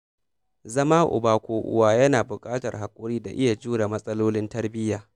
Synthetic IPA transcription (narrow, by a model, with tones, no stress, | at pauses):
zɐ˦ma˦ʔʊ̰˨baː˨kʷoː˨ʔʊ̰˨waː˦jɐ˦naː˨bʊ˨kʼaː˦tɐ˨rɦa˨kʷʼʊ˦ɽiː˦da̰˨ʔɪ˦ja˨d͡ʒuː˦ɾa˨mɐ˦sʼɐ˦loː˦lɪ˦ntɐ˦rbɪ˦jaː˨